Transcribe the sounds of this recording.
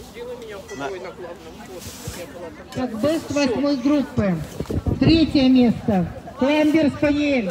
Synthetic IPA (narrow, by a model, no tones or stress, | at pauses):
k̪akbɨst̪ʋɐsʲmɨzɡɾupːɨt̪ɾʲetʲjəmʲest̪əklˠamʲbʲɪrskɐjelʲ